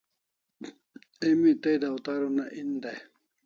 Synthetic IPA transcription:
emit̪ejd̪awt̪aɾunaʔind̪aj

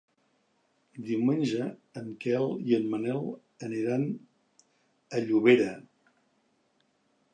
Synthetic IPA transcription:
d̪iwmenʲʒəːŋkɛlˠiənmənɛlˠ | əniɾan | əʎuβ̞eɾə

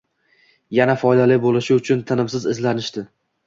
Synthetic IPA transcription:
janafɒjd̪alɪbolɪʃɪʊt͡ʃʰʊnt̪ʰɪnɪmsɪzɪzlanɪʃt̪ɪ

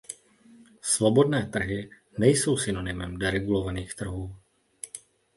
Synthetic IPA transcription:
svobodnɛːt̪r̩ɦɪ | nɛjso̞wsɪnonɪmɛmdɛɾɛɡulovaniːxt̪r̩ɦuː

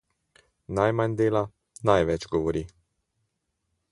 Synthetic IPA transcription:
najmand̪eːla | najʋɛt͡ʃɡɔʋɔɾiː

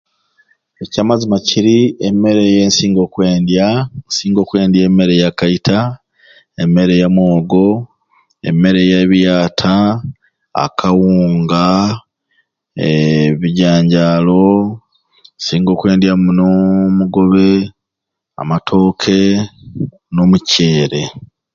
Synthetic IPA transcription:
ecamazimaciɾieme̞ɾe̞jensiːŋɡo̞kwe̞ːndjansiːŋɡo̞ːkwe̞ːndjeːme̞ɾe̞jakaitʰa | eme̞ɾe̞jamwoːɡo̞ | e̞̰me̞ɾe̞jaβjaːtʰa | a̰kʰawuːŋɡa | eβiɟaːɲɟaːlo̞ | nsiːŋɡo̞ːkwe̞ːndjamunomuɡo̞βe̞ | a̰matʰo̞ːkʰe̞ | nomuce̞ːɾe̞

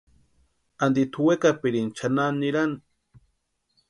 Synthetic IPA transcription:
and̪it̪ʰuwekapiɾint͡ʃʰananːiɾan

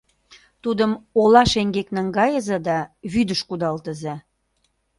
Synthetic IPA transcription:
t̪ud̪əmolɑʃeŋɡeknəŋɡɑjə̆zed̪ɑβyd̪əʃkud̪ɑlt̪əze

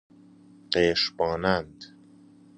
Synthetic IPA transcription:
qeːʃbɒːnænd̪

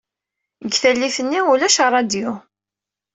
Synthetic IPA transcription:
ɡθælːiθənːiulæʃɑrˤɑd̪ju

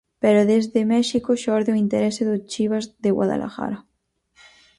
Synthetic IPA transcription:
peɾoðezðemɛʃikoʃɔɾðeoint̪eɾeseðot͡ʃiβ̞azðeɣwa̰ða̰lʔa̰xa̰ɾa

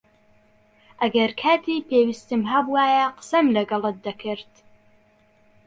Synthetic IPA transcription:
ʔɐɡɐɾkʰaːt̪ʰiːpeːwist̪ɨmɦɐbuwaːjɐqə̥sɐmlɐɡɐlˠɨt̪̚d̪ɐkʰɨɾt̪

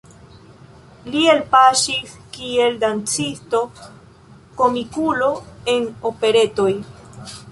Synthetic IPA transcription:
lie̞lpaʃiskie̞ldant͡sisto̞ | ko̞mikulo̞e̞no̞pe̞ɾe̞to̞j

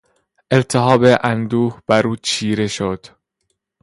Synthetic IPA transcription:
ʔelt̪ʰeɦɒːbeʔænd̪uːhb̥æɾuːt͡ʃʰiːɾe̞ʃod̪̥

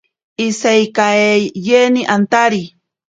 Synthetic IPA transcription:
isajkaejeniʔant̪aɾi

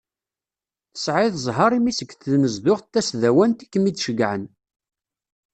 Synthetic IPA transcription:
θə̥sʕɪðzˤɦɑɾˤimisəɡθðməzd̪ʊʁt̪ːæsðæwænt̪i̥kːəmidʃəɡʕən

